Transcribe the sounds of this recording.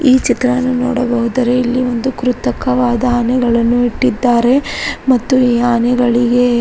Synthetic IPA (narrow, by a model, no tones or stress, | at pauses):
iːt͡ʃit̪ɾɐɐnːunɔːɽɐbɐɦud̪ɐɾe̞ilːiʋo̞nd̪ukɾut̪ɐkɐʋaːd̪ɐanɛɡɐɭɐnːuiʈːid̪ːaːɾe̞mɐt̪ːuiːaːnɛɡɐɭiɡe